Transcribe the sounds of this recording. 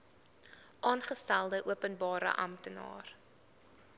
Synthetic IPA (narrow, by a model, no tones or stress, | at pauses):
ʔɑːnχəstælˠdəʔuəpənbɑːɾə̰ʔɐ̰mtənɑ̰ːr